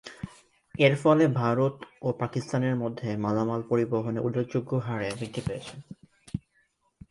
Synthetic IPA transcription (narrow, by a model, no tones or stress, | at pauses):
eɾfɔlebʱaɾot̪opakist̪aneɾmod̪ʱːemalamalpoɾiboɦoneʔulːod͡ʑoɡːoɦaɾebid̪ʰʱːipeet͡ɕʰen